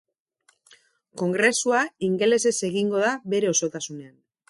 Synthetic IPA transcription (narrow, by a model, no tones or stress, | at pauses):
ko̞ŋɡɾe̞suaiŋɡe̞le̞se̞se̞ɣiŋɡo̞ðaβe̞ɾe̞o̞so̞t̪asune̞an